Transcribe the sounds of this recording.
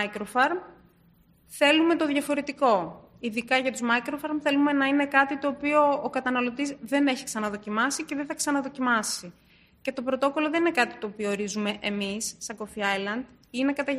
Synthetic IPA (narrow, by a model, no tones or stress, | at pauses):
kɾofɐɾm | θe̞lume̞t̪o̞ðʝɐfo̞ɾe̞t̪iko̞ | iðikɐʝɐt̪uzmɐjkɾofɐɾmθe̞lume̞nɐine̞kɐt̪it̪o̞ːpio̞ːkɐt̪ɐnɐlo̞t̪izðe̞ne̞çi̥ksɐnɐðo̞cimɐsice̞ðeθɐksɐnɐðo̞cimɐsi | ce̞t̪o̞pɾo̞t̪o̞ko̞loðe̞nine̞kɐt̪i̥t̪o̞ːpiooɾizume̞ʔemisːɐɡo̞fiɐjlɐnd̪ | ine̞kɐt̪ɐ